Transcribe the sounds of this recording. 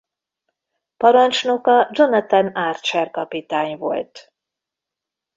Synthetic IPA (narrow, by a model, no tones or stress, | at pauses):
pɒɾɒnt͡ʃno̞kɒd͡ʒo̞nɒt̪anaːrt͡ʃɛrkɒpit̪aːɲvo̞̰lt̪